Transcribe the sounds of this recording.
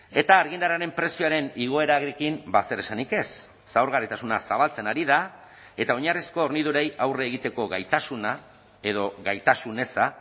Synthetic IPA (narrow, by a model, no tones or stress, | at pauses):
e̞t̪aːɾɣind̪aɾaɾe̞mpɾe̞sioaɾe̞niɣo̞e̞ɾaɣɾikimbase̞ɾe̞sanike̞sː | aoɾɣarit̪asunasaβ̞alt͡se̞naɾiða | e̞t̪aoɲarisko̞ːɾnið̞uɾe̞jawreːɣ̞it̪e̞ko̞ɣajt̪asuna | e̞ð̞o̞ɣajt̪asune̞sa